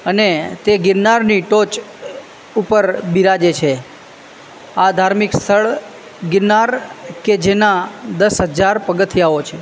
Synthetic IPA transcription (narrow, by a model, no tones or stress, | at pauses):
ənet̪eɡɪɾnaɾniʈot͡ʃ | upəɾbiɾad͡ʒet͡ʃʰe | ad̪ʱaɾmikst̪ʰəɭ | ɡɪɾnaɾked͡ʒenad̪əsɦəd͡ʒaɾpəɡət̪ʰijaot͡ʃʰe